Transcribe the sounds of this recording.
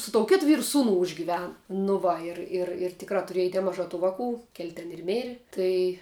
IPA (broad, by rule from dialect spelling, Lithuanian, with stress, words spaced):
sʊ toːʊ ˈkʲeːt ˈʋʲiːrʊ ˈsuːnʊ ʊʒʲɡʲɪˈʋʲæːnʊ nʊ ˈʋɐ ˈɪr ɪr ɪr ˈtʲɪkrɑː tʊˈrʲiɛj nʲɛˈmɑːʒɑː ˈtuː ˈʋɑːˌkuː kʲɛlʲ tʲɛn ɪr ˈmʲeːrʲɪ ˈtɐɪ